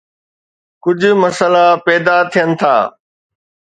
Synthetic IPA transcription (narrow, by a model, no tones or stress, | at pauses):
kʊd͡ʑʱʊ̆mɐsəlapɛːd̪at̪ʰijənɪ̆t̪ʰa̰ː